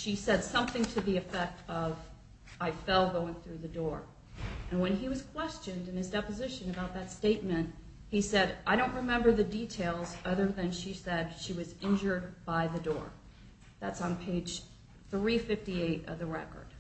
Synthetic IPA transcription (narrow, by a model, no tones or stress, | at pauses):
ʃisɛd̥sʌ̃mθɪ̃ŋtʰɨðiɨfɛk̚tʌv | aɪfɛlˠɡoʊɪ̃ŋθɹʉðɨdɔɹ | ɨ̃nwɨ̃niwʌz̥kʰw̥ɛst͡ʃɨ̃ndɨ̃nɨzdɛpɨzɪʃɨ̃nɨbaʊt̪̚ðɨtsteɪt̚mɨ̃nt̚ | hisɛɾaɪɾõʊ̃nʔɹɨmɛ̃mbə˞ðɨditʰeɪlˠzʌðə˞ðɨ̃nʃisɛd̥ʃiwʌzɪ̃nd͡ʒə˞d̚baɪðɨdɔ̰ɹ | ðætsn̩pʰeɪd̥ʒ̥ | θɹifɪftieɪɾʌ̰vðɨɹɛ̰kə̰˞d̥